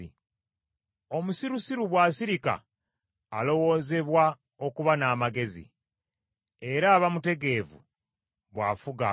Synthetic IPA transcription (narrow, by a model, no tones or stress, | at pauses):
o̞musiɾusiɾuβwasiɾika̰ː | lo̞wo̞ːze̞βwa | o̞kuβanaːmaɡe̞zḭ | e̞ɾaːβamute̞ɡe̞ːvṵ | βwa̰fuɡa